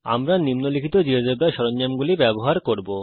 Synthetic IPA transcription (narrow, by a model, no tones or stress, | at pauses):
a̰mɾanimnolikʰit̪od͡ʑiɦod͡ʑobaʃɔɾoɲːamɡulibɛboɦaɾkoɾbo